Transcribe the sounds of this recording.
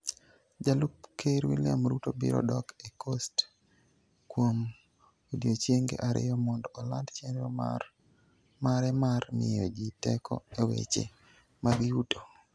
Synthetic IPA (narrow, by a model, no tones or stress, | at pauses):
d͡ʒalupkʰeɾwilɪamɾutobiɾɔ̰dɔkekʰost | kwom | odjot͡ʃjeŋɡḛʔaɾɪ̰jɔmɔndɔɔlandt͡ʃenɔ | maɾɛmarmɪ̰jɔd͡ʒitɛkʰɔ̰ewḛt͡ʃḛ | maɡiuto